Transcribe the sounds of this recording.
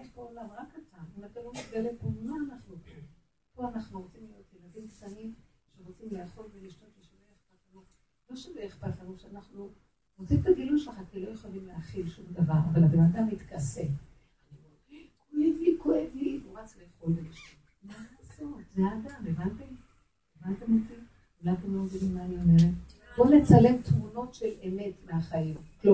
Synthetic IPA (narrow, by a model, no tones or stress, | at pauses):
eʃpoolamʁakat̪amimat̪alomitɡelepomaːnaχnupoim | poanaχnuʁo̞t͡simlijo̞t̪jeladimkt̪animʃeʁot͡simleaχolbeliʃtotleʃoleeχpatχanot | loʃaveeχpatχanuʃeanaχnu | ʁot͡simt̪aɡiluʃeaχakilo̞joχalimleaχilʃumd̪avaʁavalabenadamit̪kasem | anio | kʰoevlikoʔevlimumat͡sleχodeʃ | maːso̞tzadamevanti | evant̪amit̪i | ulatimlomɡidimmaːniomeʁe | bo̞le̞t͡sale̞mt̪muno̞tʃe̞leme̞tmeaχaimklu